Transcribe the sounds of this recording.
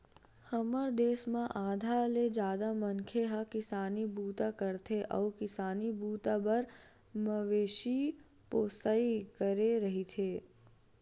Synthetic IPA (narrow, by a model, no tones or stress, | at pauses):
hɐməɾd̪eːsmãʔaːd̪ʱaled͡ʒjaːd̪amɐ̃ŋkʰeɦakɪsaːnibuːt̪akəɾt̪ʰeʔɔːkɪsaːnibuːt̪abɐɾ | məʋeːʃi | poːsaːikəɾeɾɐɦit̪ʰeː